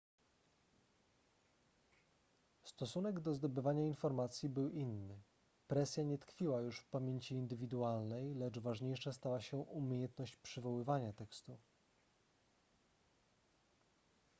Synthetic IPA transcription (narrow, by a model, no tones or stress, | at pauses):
st̪ɔsunɛɡd̪ɔzd̪ɔbɘvaɲainfɔɾmat̪sʲjibɘwʔinːɘ | pɾɛsʲjaɲɛt̪kfʲiwajuʂfpamʲjeɲt͡ɕiːnd̪ɘvʲid̪ualnɛjlɛt͡ʂvaʐɲejʂast̪awaɕɛʔumʲejɛnt̪nɔɕt͡ɕpʂɘvɔwɘvaɲat̪ɛkst̪u